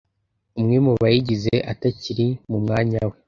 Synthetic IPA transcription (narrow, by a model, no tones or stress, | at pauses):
umŋemuβajiɟizeʔataciɾimumŋaːɲawe